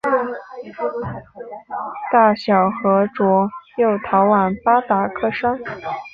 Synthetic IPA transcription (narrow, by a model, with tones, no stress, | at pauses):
t̪a˥˩ɕjɑ˨˩ʊxɤ˧˥ʈ͡ʂwɔ˧˥jo˥˩ʊt̪ʰɑ˧˥ʊwa˨˩npa˥t̪a˧˨˩kʰɤ˥˩ʂa˥n